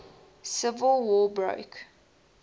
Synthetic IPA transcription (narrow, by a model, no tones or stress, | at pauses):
sɪvəlˠwɔːbɹo̰ʊk